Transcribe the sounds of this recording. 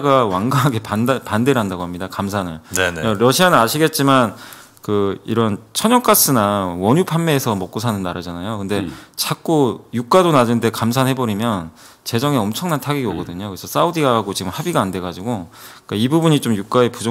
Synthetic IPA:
ɡawaŋɡaɦaɡe̞ppande̞ɾɦandaɡoɦamɲidakamsʰanɯ̰ɭaɾʌɕʰianɯnaɕʰiɡe̞t̚t͡ɕ͈iman | kɯḭɾʌnt͡ɕʰʌɲʌŋk͈as͈ɯnawʌɲupʰanme̞ːsʰʌmʌk͈osʰanɯnːaɾɯd͡ʑanajokɯnde̞t͡ɕʰak͈ujuk͈adonad͡ʑɯnnde̞kams̬ʰanhe̞bʌɾimjʌn | t͡ɕe̞d͡ʑʌŋeʌmt͡ɕʰʌŋnantʰaɡiɡiʌɡʌdɯɲokɯɾesʰʌs͈audiɡaaɡot͡ɕiɡɯmhabiɡaːndwe̞ɡad͡ʑiɡoik͈aibubuɲit͡ɕomjuk͈ae̞pud͡ʑ

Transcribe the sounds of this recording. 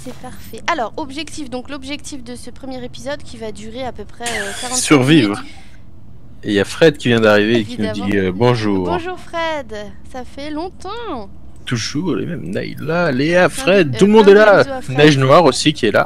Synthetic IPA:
sɛpaʁfɛʔalɔʁɔbʒɛkt̪ifd̪ɔ̃klɔbʒɛk̚t̪ifd̪əsəpχəmjɛʁepizɔd̪kʲivad̪yʁeapøpχɛøkaʁ̃syʁvivʁ | ejafχɛd̪kʲivjɛ̃d̪aʁiveːkʲinud̪iøbɔ̃ʒuːʁʒuʁfχɛd̪ | safɛlɔ̃t̪ɑ̃ | t̪uʒuːʁlḛmɛ̰mnɛ̰jlaleafχɛd̪̚t̪ulmɔ̃d̪ɛlanɛʒnwaʁosikʲiɛla̰

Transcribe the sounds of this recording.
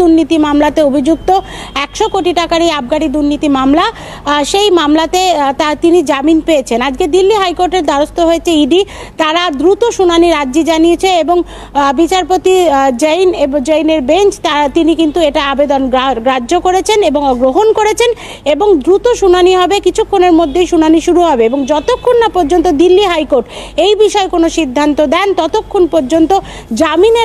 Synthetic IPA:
d̪uɾnːit̪imamlat̪eobʱid͡ʑuk̚t̪o | ɛkʃokoʈiʈakaɾiab̚ɡaɽid̪uɾnit̪imamla | ʃejmamlat̪et̪at̪inid͡ʑaminpeet͡ɕʰenad͡ʑɡed̪ilːiɦajkoɾʈeɾd̪aɾost̪oɦoet͡ɕʰeiɖi | t̪aɾad̪ɾut̪oʃunaniɾadːd͡ʑid͡ʑanijet͡ɕʰeeboŋ | bit͡ɕaɾpot̪id͡ʑejnebd͡ʑejneɾbent͡ɕt̪at̪inikint̪ueʈaabed̪onɡɾad͡ʑːokoɾet͡ɕʰeneboŋɡɾoɦonkoɾet͡ɕʰen | eboŋd̪ɾut̪oʃunaniɦɔbekit͡ɕʰukʰːoneɾmod̪ʱːejʃunaniʃuɾuɦɔbeeboŋd͡ʑɔt̪okʰːonːapoɾd͡ʑont̪od̪ilːiɦajkoɾʈejbiʃɔekonoʃid̪ʱːant̪od̪ɛnt̪ɔt̪okʰːonpoɾd͡ʑont̪o | d͡ʑamine

